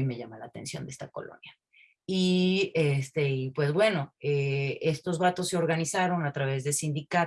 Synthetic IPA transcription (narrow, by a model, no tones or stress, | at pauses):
ime̞ʝamalaːt̪e̞nsjo̞nd̪ee̞st̪ako̞̰lo̰nja | iest̪eipwe̞zβwe̞no̞eest̪ozβat̪o̞sːe̞o̞ɾɣanisaɾo̞nat̪ɾaβe̞zðesind̪ika